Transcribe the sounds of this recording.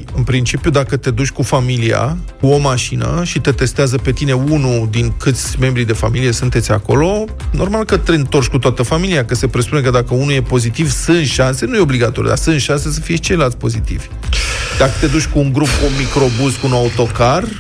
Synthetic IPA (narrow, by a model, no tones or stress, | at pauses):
ɨnpɾint͡ʃipijud̪akət̪e̞d̪ut͡ʃʲkufamilia̰kuo̞maʃinə̰ʃit̪et̪e̞st̪eazəpe̞t̪ine̞unud̪iŋkɨt̪sʲme̞mbɾid̪e̞fa̰milie̞sunt̪esʲa̰ko̞lo̞ | no̞rmalkət̪eɨnt̪o̞rt͡ʃʲkut̪oat̪əfamiliakəse̞pɾespune̞k̬əd̪akəunuje̞po̞zit̪ivsɨnʃanse̞nuje̞o̞bliɡat̪oɾjṵd̪a̰sɨnʃanse̞səfije̞ʃt͡ʃe̞jlalt̪sʲpo̞zit̪ḭvʲ | d̪akət̪e̞d̪ut͡ʃʲkuːŋɡɾupkunmikɾo̞buzkuunaut̪o̞kar